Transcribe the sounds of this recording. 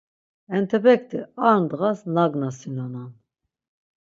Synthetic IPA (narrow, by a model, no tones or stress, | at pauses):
ɛnt̪ʰɛbɛk̚ʰt̪ʰɛaɾnd̪ʁasnaɡnasinɔnan